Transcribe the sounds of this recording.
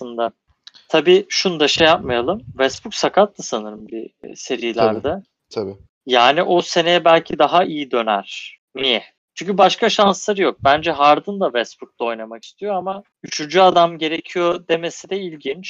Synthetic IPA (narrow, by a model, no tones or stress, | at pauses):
slˠɯnd̪a | t̪ʰabiːʃund̪aʃɛjapmajalˠɯmvɛsbuksakʰat̪ːasanɯɾɯmbise̞ɾilʲæɾd̪a | t̪ʰabi | jaːniʔose̞ne̞jɛbælʲcʰid̪aɦaijid̪ø̞næ̰ɾ̥ | nijɛ | t͡ʃʰyɲʲcʰybaʃkʰaʃanslˠaɾɯjo̞k̚bænd͡ʒɛɦaɾd̪ɯnd̪avɛsbuk̚lˠao̞jnamaki̥st̪ʰijo̞ama | yt͡ʃʰynd͡ʒyad̪amɟe̞ɾe̞cʰijo̞d̪e̞me̞sid̪ɛilʲɟint͡ʃ